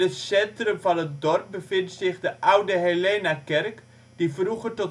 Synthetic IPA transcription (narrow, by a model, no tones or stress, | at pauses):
ətsɛntrɵmvɑnət̚dɔrp̚bəvɪntsɪχdəʔawdəɦeleːnakɛrk | d̥ivruχətɔt